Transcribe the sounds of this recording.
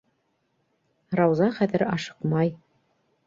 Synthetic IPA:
ɾɑwzɑχæðɘɾɑʃɤ̥qmɑj

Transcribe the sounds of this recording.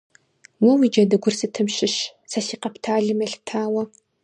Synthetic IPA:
wɔwiːd͡ʒɐdɨɡʷʊrsɨtʰɨmɕɪɕ | sɐsiːqɐptʰaːɮɨmɐɬtʰaːwɐ

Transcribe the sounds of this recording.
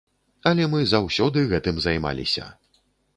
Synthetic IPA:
ɐlʲɛmɨzɐwsʲɔd̪ɨɣɛt̪ɨmzajma̰lʲḭsʲɐ̰

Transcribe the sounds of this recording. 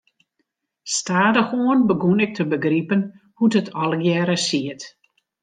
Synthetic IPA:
staːdəxoənbəɡunɪk̚tʰəbəɡripən | hutətʰɔlˠɡjɛːɾəsiət

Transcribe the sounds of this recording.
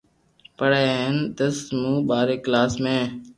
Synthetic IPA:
pəɽeːɦənd̪əsmũːɓaːɾeːklaːsmẽː

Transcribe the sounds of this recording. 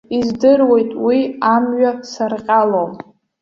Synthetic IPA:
izdɨrwe̞jtʼwiamɥasarqʲʼalom

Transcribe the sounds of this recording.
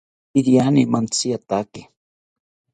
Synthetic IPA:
idijanimant͡sijat̪akɪ

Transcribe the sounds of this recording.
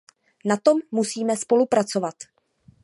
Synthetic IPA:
nat̪o̞mːusiːmɛspo̞lupɾat͡so̞vat̪

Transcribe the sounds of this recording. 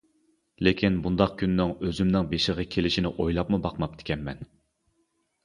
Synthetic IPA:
lekʲʰinbund̪ɑq̚kʲʰynːɪŋøzymnɪŋbeʃɪʁəkʲʰelɪʃinɪʔojlˠɑpmubɑqmɑp̚d̪ʰɪ̥kʲɛnmɛn

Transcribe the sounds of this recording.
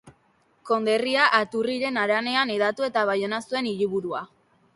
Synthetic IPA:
ko̞nd̪e̞riaʔːt̪uriɾe̞naɾane̞aneðat̪ue̞t̪aβajo̞nasue̞niɾiβuɾua

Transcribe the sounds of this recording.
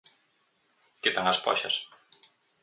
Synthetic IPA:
ket̪aŋɐspɔ̰ʃɐs

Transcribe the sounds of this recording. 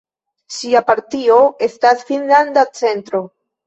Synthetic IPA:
siapaɾtio̞e̞stasfinland̪at͡se̞ntɾo̞

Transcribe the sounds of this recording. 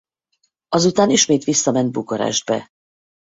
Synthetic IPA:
ɒzut̪aːniʃmeːt̪ʋisːɒmɛnt̪̚bukoɾɛ̰ʒd̪̚bɛ̰

